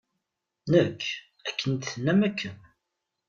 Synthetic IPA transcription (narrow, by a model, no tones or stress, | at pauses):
nəkʰː | ækːənt̪θənːæmækʰːəm